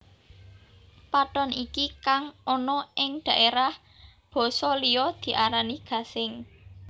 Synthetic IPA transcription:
paʈɔnikikaŋʔɔnɔɪŋd̪̥a̤ʔeɾah | b̥ɔ̤sɔlijɔd̪̥i̤ʔaɾaniɡ̥a̤sɪŋ

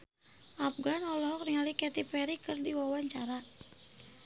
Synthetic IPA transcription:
ʔapɡanɔlɔɦɔkriŋalikɛt̪ipɛɾikɨrdiwawaɲt͡ʃaɾa

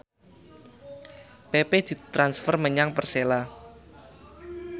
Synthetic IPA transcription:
peped̪̥i̤t̪ɾansfərməɲaŋpərsela

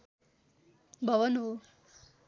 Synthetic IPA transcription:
bʱʌʋʌnɦo

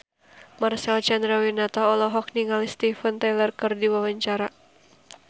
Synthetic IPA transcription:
marsɛlt͡ʃand̪ɾawinat̪aɔlɔɦɔk̚niŋalist̪ifənt̪ajlərkɨrdiwawaɲt͡ʃaɾa

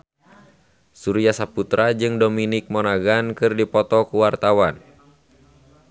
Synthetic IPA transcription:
suɾiasaput̪ɾad͡ʒɨŋdominɪk̚mɔnaɡankɨrdipɔt̪ɔkuwart̪awan

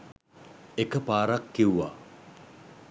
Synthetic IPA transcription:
ekəpaːɾakːiwʋa̰

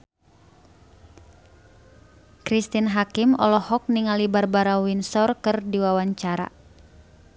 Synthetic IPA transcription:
kɾist̪inɦakimɔ̰lɔhɔk̚niŋalibarbaɾawinsɔrkɨrdiwawaɲt͡ʃaɾa̰

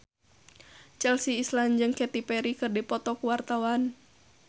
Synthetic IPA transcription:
t͡ʃɛlsiːsland͡ʒɨŋkɛt̪ipɛɾikɨrdipɔt̪ɔkuwart̪awan

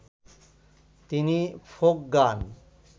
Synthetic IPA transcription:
t̪inifʰok̚ɡan

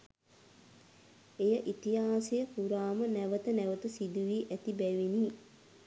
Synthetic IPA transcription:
ejəʔit̪ijaːsejəkuɾaːmənæʋət̪ənæʋət̪əsid̪uʋiːʔæt̪ibæʋiniː

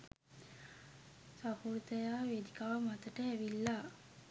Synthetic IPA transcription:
sapuɾt̪əjaːʋed̪ikaʋəmat̪əʈəæʋilːa

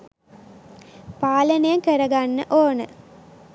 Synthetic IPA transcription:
paːlənejɐŋkəɾɐɡanːəʔoːnə̰

